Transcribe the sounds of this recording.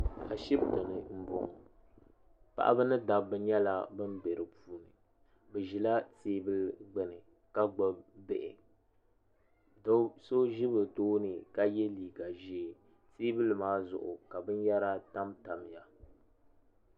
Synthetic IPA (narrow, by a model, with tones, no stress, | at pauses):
a˨ʃi˦bto˨nɨ˨m̩˦bo˨ŋ˨ | pa̰˨ʔa̰˦bɨ˦nɨ˦da˨bːɨ˦ɲɛ˦la˦bɨ˦nbɛ˨ɾɨ˨puː˦nɨ˨ | bɨ˨ʒi˨la˦teː˦bɨ˦lɡ͡bɛ˨nɨ˨ | ka˦ɡ͡bɔ˦bbɛ˨ʔɪ˨˦ | so˦ʒi˦bɨ˨toː˦nɨ˨ka˦jɛ˦liː˨ɡa˨ʒi˦˨ | teː˦bɨ˦lmaː˦zʊ̰˨ʔʊ̰˨ka˨bɨ˦n˦ja˦ɾa˦ta˦mta˨m˨ja˨